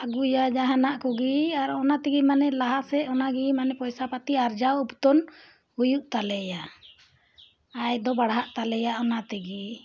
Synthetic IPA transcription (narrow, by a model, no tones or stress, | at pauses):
aɡujad͡ʒaɦanaʔkɔɡiaɾɔnat̪ɛɡimanɛlaɦasɛɔnaɡimanɛpɔjsapat̪iaɾd͡ʒawupt̪ɔn | hujuʔt̪alɛja | jd̪ɔbaɽɦaʔt̪alɛjaʔɔnat̪ɛɡi